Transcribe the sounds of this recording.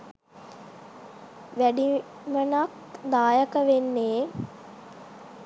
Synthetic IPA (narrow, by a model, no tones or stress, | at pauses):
ʋæɖi | mənak | d̪aːjəkəʋenːeː